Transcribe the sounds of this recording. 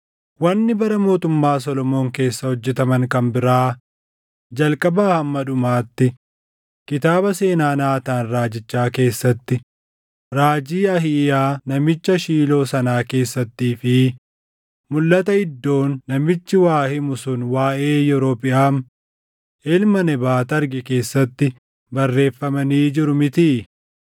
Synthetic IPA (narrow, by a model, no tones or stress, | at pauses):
wɐnːɪbɐɾɐmo̞ːt̪ʊmːaːs̬ɔlɔmo̞ːŋke̞ːsːɐhɔd͡ʒːɛt̪ɐmɐŋkɐmbɪɾaː | d͡ʒɐlkʼɐbaːhɐmːɐᶑʊmaːt̪ːɪ | kɪt̪aːbɐse̞ːnaːnaːt̪aːnɾaːd͡ʒɪt͡ʃːaːke̞ːsːɐt̪ːɪ | ɾaːd͡ʒiːɐhɪʔaːnɐmɪt͡ʃːɐʃiːlo̞ːsɐnaːke̞ːsːɐt̪ːiːfɪ | mʊlːɐt̪ɐɪd̪ːo̞ːnːɐmɪt͡ʃːɪwaːhɪmʊsʊnwaːʔe̞ːjɔɾoːpʼɪʔaːm | ʔɛlmɐnɛbaːt̪ɐɾɡɪke̞ːsːɐt̪ːɪ | bɐrːe̞ːfːɐmɐniːd͡ʒɪɾʊmɪt̪iː